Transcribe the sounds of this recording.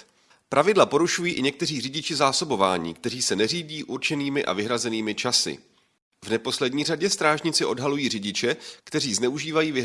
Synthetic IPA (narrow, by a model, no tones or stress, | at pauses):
pɾʔavɪdlapo̞ɾuʃujiːʔɪɲɛk̚t̪ɛriːrɪɟɪt͡ʃɪzaːso̞bo̞va̰ːɲḭːkt̪ɛriːsɛnɛriːɟiːʔuɾt͡ʃɛniːmɪʔa̰vɪɦɾazɛniːmɪt͡ʃasɪ̰ | vnɛpo̞slɛdɲiːraɟɛst̪ɾaːʒɲɪt͡sɪʔo̞dɦalujiːrɪɟɪt͡ʃɛkt̪ɛriːznɛuʒiːvajiːvɪɦ